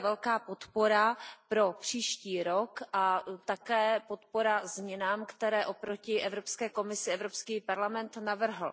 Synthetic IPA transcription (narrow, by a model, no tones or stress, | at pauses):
vɛlkaːpo̞t̪po̞ɾapɾo̞pr̝̥iːʃciːɾo̞kʔat̪akɛːpo̞t̪po̞ɾazmɲɛnaːmkt̪ɛɾɛːʔo̞pɾo̞cɪʔɛvɾopskɛːko̞mɪsɪɛvɾo̞pskiːpaɾlamɛnt̪navr̩ɦl̩